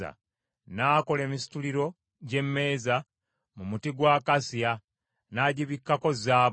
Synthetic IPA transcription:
a̰ | naːko̞le̞ːmisi̥tuliɾo̞ | ɟe̞mːe̞ːza | mumutiɡwaːkasia | naːɟiβikːako̞zaː

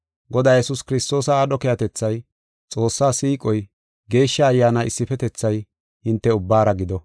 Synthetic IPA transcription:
ɡɔd̪aːjɛsʊskɪɾɪst̪o̞ːsɐːɗɔkɛjɐt̪ɛt͡sːɐj | t͡sʼo̞ːsːaːsiːkʼɔj | ɡe̞ːʃːɐːjːaːnaʔɪsːɪfɛt̪ɛt͡sːɐj | hɪnt̪ːɛʊbːaːɾɐɡɪd̪ɔ

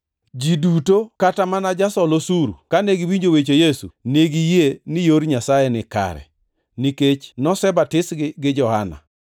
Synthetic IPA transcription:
d͡ʒidutokatamanad͡ʒasɔlosuɾṵkaneɡiwiɲd͡ʒowet͡ʃojesṵneɡijenɪjoɾɲasajɛnɪka̰ɾɛ̰ | niket͡ʃnɔsɛbatɪsɡɪd͡ʒɔhana̰

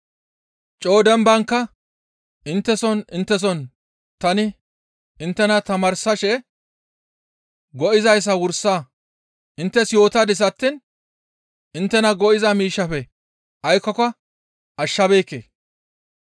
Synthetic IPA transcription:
t͡ʃʼo̞ːd̪ɛmbɐŋkːɐ | ɪnt̪ːɛsɔnɪnt̪ːɛs̬ɔn | t̪ɐnɪ | ɪnt̪ːɛnɐt̪ɐmɐɾsɐʃɛ | ɡɔʔɪzɐjs̬ɐwʊɾsa | ʔɪnt̪ːɛsjo̞ːt̪ɐd̪ɪs̬ɐt̪ːɪn | ʔɪnt̪ːɛnɐɡɔʔɪzɐmiːʃːɐfɛ | ʔɐjkːɔkɐ | ʔɐʃːɐbe̞ːkːḛː

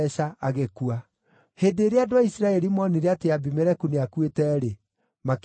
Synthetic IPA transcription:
ʃaaɣekua | hedeːɾeadoaisiɾaɛɾimɔniɾeateabimɛɾɛkuneakwetɛɾe | mak

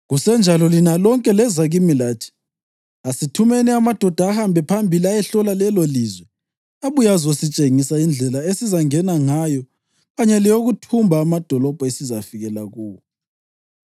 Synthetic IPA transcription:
ɣusɛnd͡ʒʱalɔlinalɔŋkʼɛlɛzaɣimilaːtʰi̥ | asitʰumɛniamad̥ʱɔd̥ʱaːhambʱɛpʰambʱiliajɛɬɔlalɛlolizwɛ | aβujazosit͡ʃʼeŋisaind͡ɮʱɛlaesizaŋɛnaŋajɔ | ɣaɲɛlijoɣutʰumbʱaːmad̥ʱɔlɔb̥ʱɔesizafiɣɛlaɣuːwɔɔ

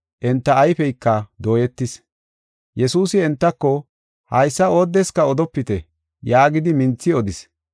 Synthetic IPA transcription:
ʔɛnt̪ːɐːjfɛjkːɐd̪o̞ːjɛt̪ːɪs | jɛsuːsɪɛnt̪ːɐkːɔ | hɐjsːɐoːd̪ːɛskɐɔd̪ɔpːɪt̪ɛ | jaːɡɪd̪ɪmɪnt͡sːɪɔd̪ɪs

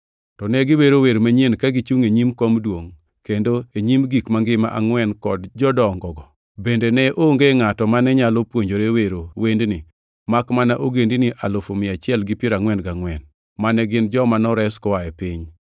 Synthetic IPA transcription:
tɔnɛɡɪweɾoweɾmaɲenkaɡɪt͡ʃuŋeɲimkomdwoŋ | kendoeɲimɡikmaŋɡɪma̰ʔaŋwɛnkɔdd͡ʒɔdɔŋɡɔɡɔ | bendenɛʔoŋɡeŋatɔmanɛɲalopwoɲd͡ʒoɾeweɾowendnɪ | makmanaʔoɡendinɪʔa̰lofomɪat͡ʃɪɛlɡɪpɪɾaŋwɛnɡaŋwɛn | manɛɡɪnd͡ʒɔmanɔɾɛskɔwaɛpɪɲ

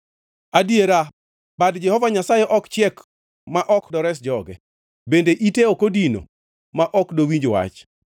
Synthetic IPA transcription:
adieɾa | badd͡ʒɛhɔvaɲasajeʔɔkt͡ʃɪɛk | maʔɔkdɔɾɛs̬d͡ʒɔɡɛ | bendeʔiteokodino̰ | maʔɔkdowiɲd͡ʒwa̰t͡ʃ

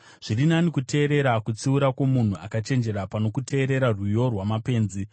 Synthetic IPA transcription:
ʐ̥irinanikute̞ːɾe̞ɾakut͡siuɾakwo̞mun̤uʔa̰kat͡ʃe̞nd͡ʒe̞ɾapano̞kutʰe̞ːɾe̞ɾarujo̞rwamape̞ːnzi

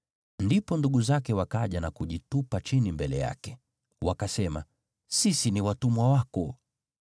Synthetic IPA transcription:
ndipɔnduɠuzakɛwakaʄanakuʄitupat͡ʃinimbɛlɛja̰kɛ | wakasɛma̰ | sisiniwatumwawakɔ

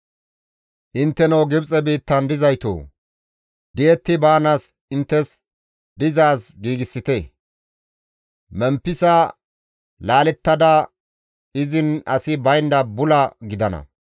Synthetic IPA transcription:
ʔɪnt̪ːɛnɐwɡɪbt͡sʼɛbiːt̪ːɐnd̪ɪzɐjt̪o̰ː | d̪̥ɪjɛt̪ːɪbaːnaːs | ɪnt̪ːɛs | d̪ɪzaːsɡiːɡɪsːɪt̪ɛ | mɛmpːɪsa | laːlɛt̪ːɐd̪ɐ | ɪzɪnɐsɪbɐjnd̪ɐbʊlɐɡɪd̪ɐnɐ̰

